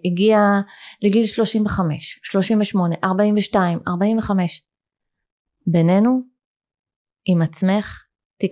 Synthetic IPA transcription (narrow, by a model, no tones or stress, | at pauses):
iɡialeɡilʃlo̞ʃimveχame̞ʃʃlo̞ʃimveʃmo̞ne̞ʔaʁbaiɱveʃtaima̰ʁbaiɱve̞χame̞ʃ | bene̞nu | imat͡sme̞χ | ti